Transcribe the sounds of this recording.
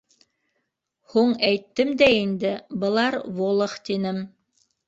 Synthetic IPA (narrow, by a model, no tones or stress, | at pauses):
huɴæjt̪ːɘmd̪æind̪ɘbɤ̆lˠɑɾβolˠɤχt̪inɘm